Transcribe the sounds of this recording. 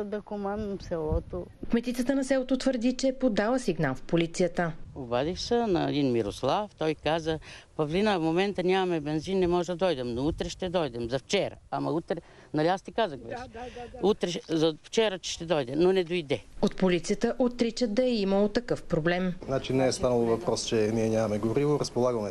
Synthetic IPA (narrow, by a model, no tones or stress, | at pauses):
d̪ɐkomanɐmsɛlˠɔt̪okmɛt̪it̪sət̪ənɐsɛlˠot̪ot̪vəɾd̪it͡ʃɛːpod̪alˠəsiɡnalˠfpolit̪sijət̪əobad̪ixsənɐɛd̪inmiɾoslˠaft̪ɔjkazəpɐvlinəfmomɛnt̪ənʲamɐmɛbɛnzinːɛmɔʒɛd̪ɐd̪ɔjd̪ɛmnout̪ɾɛʃt̪ɛd̪ɔjd̪ɛmzɐft͡ʃɛɾɐ̰amɐut̪ɾɛ | nɐlʲiast̪ikazəxbɛʃut̪ɾɛzɐft͡ʃɛɾət͡ʃɛ̥ʃt̪ɛd̪ɔjd̪ɛnonɛd̪ojd̪ɛot̪polit̪sijət̪əʔot̪ɾit͡ʃət̪̚d̪ɐɛiməlˠot̪ɐkɤfpɾoblɛmznat͡ʃinɛːst̪anəlˠovɐpɾɔst͡ʃɛniɛɲʲamɐmɛɡoɾivoɾəspolˠaɡɐmɛ